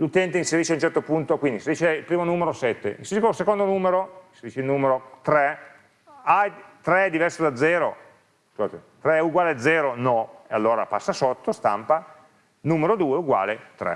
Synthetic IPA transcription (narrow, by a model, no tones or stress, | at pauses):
lut̪ɛnt̪einseɾiːʃeaunt͡ʃɛrt̪opunt̪okwind̪inseɾiʃeilpɾiːmonuːmeɾosɛt̪ːḛisekosekond̪onuːmeɾoinseɾiːʃeilnuːmeɾot̪ɾɛ | ajt̪ɾɛd̪ivɛrsod̪ad̪zːɛːɾo | kot̪et̪ɾɛuɡwaːlead̪zːɛːɾonɔealːoːɾa̰pasːasot̪ːost̪a̰mpa | nuːmeɾod̪uːeuɡwa̰ːlet̪ɾɛ̰